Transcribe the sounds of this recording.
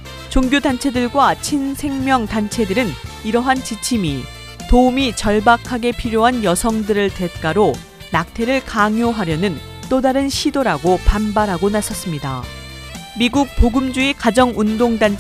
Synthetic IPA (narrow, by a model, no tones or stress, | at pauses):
t͡ɕoŋɡjodant͡ɕʰe̞dɯɭɡwat͡ɕʰinsʰe̞ŋmjʌŋtant͡ɕʰe̞dɯɾɯniɾʌɦant͡ɕit͡ɕʰimi | toumit͡ɕʌɭbakʰaɡe̞pʰiɾjoɦanjʌsʰʌŋdɯɾɯɭte̞t̚k͈aɾo | nak̚tʰe̞ɾɯɭkaŋjoɦaɾjʌnɯn | t͈odaɾɯnɕʰidoɾaɡopanbaɾɦaɡonasʰʌs͈ɯmɲida̰ | miɡuk̚poɡɯmd͡ʑuekad͡ʑʌŋundoŋdan